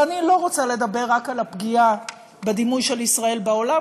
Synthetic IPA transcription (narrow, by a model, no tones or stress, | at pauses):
anilo̞ʁot͡sale̞d̪abe̞ʁːakalapɡia | bed̪imujʃelisʁae̞lbao̞la